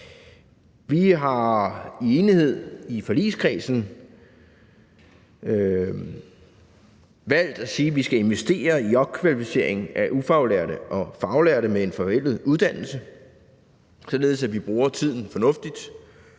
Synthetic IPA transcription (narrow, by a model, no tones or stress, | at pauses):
ʋiɦɑ̈ie̝ːnihe̝ð̞̰ˠifɒlḭːskʰʁiːsn̩ | ø | ʋæl̰d̥æsiːʋisɡ̥æe̝nʋesd̥e̝̰ːɐiɒ̥̽kʰʋælifise̝ɐe̝ŋn̩ʔæʔufɑ̈ʊleɐ̰ɾəʔɒ̽fɑ̈ʊleɐ̰ɾəmee̝nfɒ̽ʋel̰ð̩ˠuð̞ˠd̥æn̰l̩sə | sɒ̽le̝ːð̞̩ˠsæʋib̥ʁuːɐt͡sʰið̰ˠn̩fɒ̽nɔ̽fd̥id̥